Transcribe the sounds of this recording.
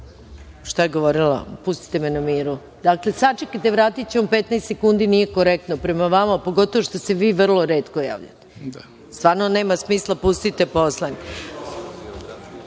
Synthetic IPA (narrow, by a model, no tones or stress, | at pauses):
ʃt̪ajeɡoʋoɾila̰pust̪i̥t̪emenamiːɾu | d̪akle̞sat͡ʃekat̪eʋɾaːt̪it͡ɕemampet̪najst̪sekund̪inijekoɾek̚t̪nopɾemaʋamapo̞ɡo̞t̪oʋoʃt̪o̞se̞ʋiːʋr̩lˠoɾe̞ːt̪koja̰ːʋʎa̰t̪e̥ | st̪ʋaːɾnoneːmasmiːslˠapust̪it̪epo̞slˠaɲ